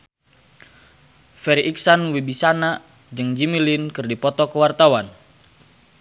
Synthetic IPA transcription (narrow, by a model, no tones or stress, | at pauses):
fɛɾiʔiksanwibisana | d͡ʒɨŋd͡ʒimilinkɨrdipɔt̪ɔkəwart̪awan